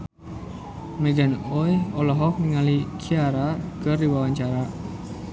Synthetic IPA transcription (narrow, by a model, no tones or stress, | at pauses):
mɛɡanojɔlɔɦɔk̚niŋalikʰiaɾakərdiwawaɲt͡ʃaɾa